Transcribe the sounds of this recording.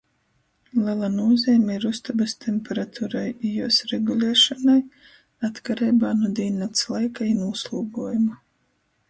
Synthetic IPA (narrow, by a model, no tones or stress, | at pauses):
lˠɛlˠanuɔzʲɛːmʲeiɾust̪abɨst̪ʰempeɾat̪ʰuːɾajijuɔsɾeɡulʲˠɛːʃɔnaj | at̪kaɾɛjbaːnuɔd̪iːnːat̪slˠajkainuuslˠuːɡuɔjuma